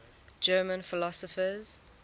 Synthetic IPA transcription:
d͡ʒɜːmə̃nfɪlɔsɔfəz̥

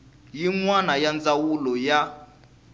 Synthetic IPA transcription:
jiŋwanajand͡zawulɔja

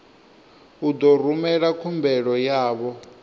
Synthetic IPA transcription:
ud̪ɔr̤umɛɺakʰumbɛɺɔjaːβɔ

